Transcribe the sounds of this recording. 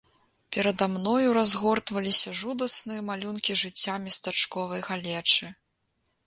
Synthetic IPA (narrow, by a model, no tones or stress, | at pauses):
pʲɛɾɐd̪amnɔjuɾazɣɔrt̪vɐlʲisʲɐʐud̪ɐsnɨjɐmalʲunkʲiʐɨt͡sʲːamʲɛst̪at͡ʂkɔvɐjɣalʲɛt͡ʂɨ